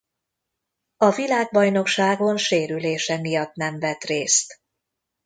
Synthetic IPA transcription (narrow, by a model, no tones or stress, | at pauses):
ɒvilaːɡ̚bɒjno̞kʃaːɡo̞nʃeːɾyleːʃɛmijɒt̪nɛɱvɛt̪reːst̪